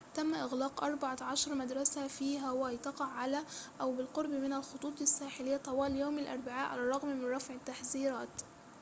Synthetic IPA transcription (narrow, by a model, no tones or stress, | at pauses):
t̪æmːʔɪɣlaːqʔɑɾˤbɑʕaʕɑʃɑɾˤmad̪ɾˤɑsafiːɦæwɪjt̪ɑqɑʕːalæʔæwbɪlqʊɾˤbmɪnælxot̪ˤuːt̪ˤɪsːaːħɪlɪjːat̪ˤɑwɑːljoːmalʔɑ̰ɾˤbɪʕa̰ːʔʕa̰larˤːɑɣmmɪnɾˤɑfʕɪt̪ːaħziːɾɑːt̪